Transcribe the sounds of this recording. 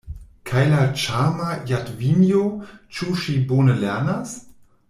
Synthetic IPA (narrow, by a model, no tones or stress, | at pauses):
kʰajlat͡ʃamajatvinjot͡ʃuʃiboːnəlɛɐnas